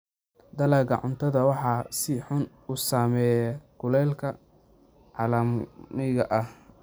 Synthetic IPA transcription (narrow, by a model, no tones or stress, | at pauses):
d̪ɐlɐɡɐʕʊ̰nt̪ʰɐðɐwɑħɑsɪħʊn | usaːmɛːjɛkʰʊlɛːlkʰɐ | ʕɑlɐmɪɣɐʔɐh